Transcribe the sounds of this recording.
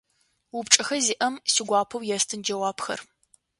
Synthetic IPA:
wʊpʈ͡ʂʼɐxɐziːʔɐmsiɡʷɑːpʰɐwjɛstʰɨnd͡ʒɐwaːpxɐ̰r

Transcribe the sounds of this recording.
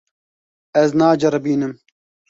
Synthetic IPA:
ɛznaːd͡ʒɐɾɨbiːnɨm

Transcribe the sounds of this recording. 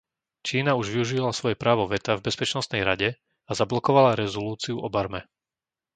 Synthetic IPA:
t͡ʃiːnauʒʋiuʒilasʋɔjɛpɾaːʋɔʋɛt̪avbɛspɛt͡ʃnɔst̪nɛjɾaɟɛ | azablɔkɔʋalaɾɛzɔluːt͡siuʔɔbaɾmɛ

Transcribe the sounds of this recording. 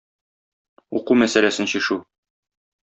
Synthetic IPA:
uqumæsælæsɘnɕiʃu

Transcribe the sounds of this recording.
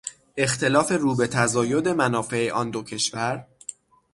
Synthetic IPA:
e̞xt̪ʰe̞lɒːfe̞ɾuːbe̞t̪ʰæzɒːjo̞d̪e̞mænɒːfe̞eʔɒːnd̪ocʰe̞ʃvæɾ

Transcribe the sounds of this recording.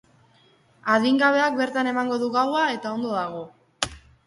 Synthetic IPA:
aðiŋɡaβ̞e̞ak̚be̞ɾt̪ane̞maŋɡo̞ðuɣawae̞t̪ao̞nd̪o̞ðaɣ̞o̞

